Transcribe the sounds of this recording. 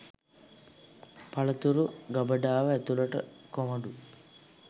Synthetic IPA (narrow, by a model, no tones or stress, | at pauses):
pɐɭɐt̪uɾuɡɐbɐɖaːʋɐet̪ulɐʈɐ̰komɐɖu